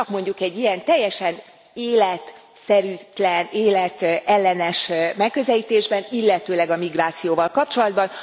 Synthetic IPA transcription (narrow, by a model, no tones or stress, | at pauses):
ɒkmo̞ɲɟukɛɟːijɛnt̪ɛjːɛʃɛn | eːlɛt̪ | sɛɾyːt̪lɛneːlɛt̪ɛlːɛnɛʃmɛkːø̞zɛliːt̪eːʒbɛnilːɛt̪øːlɛɡɒmiɡraːt̪sijoːvɒlkɒp̚t͡ʃo̞lɒd̪bɒn